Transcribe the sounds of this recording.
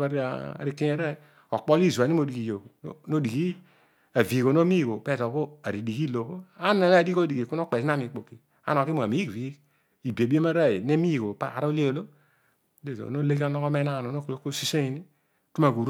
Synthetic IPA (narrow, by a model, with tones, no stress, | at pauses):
a˦ɾi˦a̰˨a̰˨ɾi˦ki˦n˦a˦ɾa˦˨i˨ | o˨k͡po˦li˦˨zu˨a˨ni˦o˨di˨i˨jo˨kno˦di˨ki˦ | a˨vi˨ko˨no˦mi˦˨ɡo˨pe˦˨to˨ko˦a˨ɾi˨di˨ki˦lo˨ko˦a˦na˨n˦˨di˦ko˦di˨ɡi˨ku˦no˦k͡pe˨sn˦a˦mi˨k͡po˨ki˨ | a̰˦no˨ki˦mo˨a˨mi˨˦˨ɾi˨˦ | i˨bi˨a˨bi˦e˦ma˦ɾa˦˨i˨ne˦mi˦˨ko˨pa˦a̰˨ɾle˦o˨lo˦ | le˦˨to̰˨no˦le˦ki˦o˦nɔ˦ko˦me˦na˦˨no˨no˦klo˦ko˦si˦se˦i˨ni˦ | tu˦ma˨ku˨ɾ